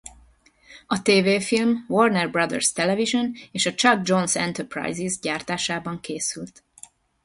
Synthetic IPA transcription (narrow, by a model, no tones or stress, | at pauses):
ɒt̪eːveːfilmvornɛrbrɒd̪ɛ̰rst̪ɛlɛviʒo̞neːʃɒt͡ʃɒd̪̚d͡ʒo̞nsɛ̰nt̪ɛrpra̰jzizɟaːrt̪aːʃaːbɒŋkeːsylt̪